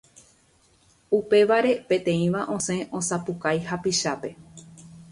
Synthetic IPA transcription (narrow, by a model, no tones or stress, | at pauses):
upe̞ʋaɾe̞pẽ̞t̪ẽ̞ĩʋaʔõ̞sẽ̞ʔõ̞sapukajɦapiʃape̞